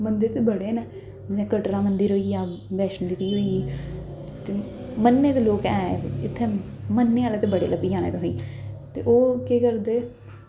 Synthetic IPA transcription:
mənd̪əɾt̪eːbəɽeːneː | ẽːkəʈɾãːmənd̪əɾɦoːiːjaːbɛːʃənd̪ɪtiːɦoːiːɡiː | t̪eː | mənːeːt̪eːloːkɛ̃ːɪt̪ʰːeː | mənːeːaːleːt̪eːbəɽḛːləbiːãːnḛːt̪oɦõiːt̪ḛːʔoːkekəɾd̪eː

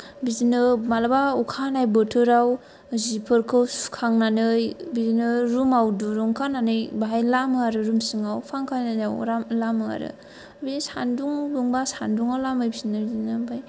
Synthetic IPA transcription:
bizinɯmalabaukʰanajbɯtʰɯɾaw | zipʰɯɾkʰɯwskʰaŋnanɯjbizinɯɾumawduɾuŋkʰananɯjbaɦajlamɯaɾɯɾumsiŋawpʰaŋkʰanaawɾamlamɯa̰ɾɯ̰ | bizsanduŋbuŋbasanduŋawlamɯjbizinɯbizinɯbaj

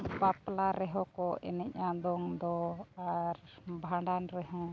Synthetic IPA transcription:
paplaɾɛɦɔ̃kɔʔɛ̰nɛc̚ad̪ɔŋd̪ɔaɾbʱaɳɖanɾɛɦɔ̃

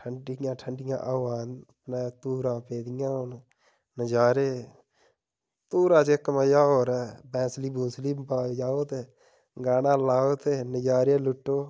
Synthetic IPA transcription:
ʈʰəɳɖijãːʈʰəɳɖɪjã̰ːʔaːwaːnpnaːt̪uːɾãːpeːd̪ɪjãːoːn | nəd͡ʒaːɾeː | t̪uːɾãːt͡ʃekːəmaːjaːoːɾɛbɛ̃ːsliːbuːsliːbajaːoːt̪eː | ɡaːnãːlaːoːt̪enəd͡ʒaːɾeːlʊʈːoː

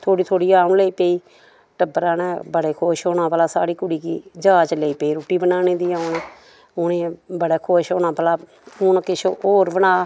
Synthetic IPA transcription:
t̪ʰoːɽiːt̪ʰoːɽiːaːʊnleːiːpeːiː | ʈəbɾãːnẽːbəɽeːkʰoːʃoːnãːpəlaːsa̰ːɽiːkʊɽiːkḭːd͡ʒaːt͡ʃleːiːpeːiːɾuːʈiːbənaːneːd̪iːaːʊneː | ʊnẽːbəɽeːkʰoːʃoːnãːpəlaː | ʊnkɪʃoːoːɾbənaː

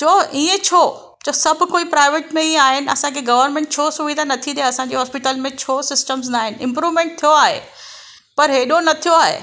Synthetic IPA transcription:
t͡ɕʰoːiːẽt͡ɕʰoː | t͡ɕʰoːsɐbʱʊ̆koːipɾaːɪʋeːʈmẽiẽaːɦɪnɪ̆ɐ̰sãkʰeɡɐʋəɾnmẽɳʈ̚t͡ɕʰoːsuʋid̪ʱanɐt̪ʰid̪ijaɐsãɲd͡ʑeɦɔːspɪʈəlmẽt͡ɕʰoːsɪsʈəmz̬naːɦɪnɪ̆ɪ̃mpɾuːʋmẽɳʈ̚t̪ʰijoaːɦḛ | pɐɾɦeːɗonɐt̪ʰijoaːɦḛː

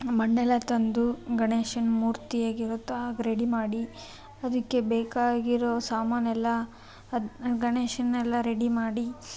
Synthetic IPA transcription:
mɐɳɖɛlɐt̪ɐnd̪uɡɐɳeːʃɐnmuːɾt̪ijaːɡiɾoːt̪ɐɡɐɾeɽimaːɽi | ɐd̪ɐkːe̞beːkaːɡiɾosaːmaːnɐɛlːɐ | ɡɐneːʃɐnɛlːɐɾeɽimaːɽi

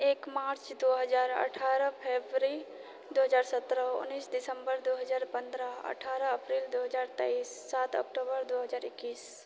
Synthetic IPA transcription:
eːkmaːɾt͡ʃd̪oːɦəd͡ʒaːɾə̰ʈʰaːɾəpʰeːbɾi | d̪oːɦəd͡ʒaːɾsət̪ɾəʊ̰niːsdɪsə̃mbəɾd̪oɦəd͡ʒaːɾpə̃nd̪ɾəə̰ʈʰaːɾəəpɾiːld̪oːɦəd͡ʒaːɾt̪ɛiːsːaːt̪ɔ̰ːk̚ʈobəɾd̪oɦəd͡ʒaːɾɪkːiːs

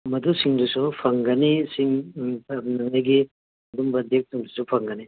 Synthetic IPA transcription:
mɐd̪usiŋdusupʰɐŋɡɐnisiŋ | nɐŋɐjɡi | mɐdumbɐd̪ek̚suŋdusupʰɐŋɡɐni

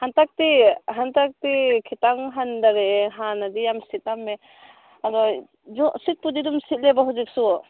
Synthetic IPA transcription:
hantak̚tiɦantak̚tikʰitaŋɦandaɾeɦanadijamsit̚amːe | adɔ | zɔsit̚pudidumsit̚lebaɦuzik̚su

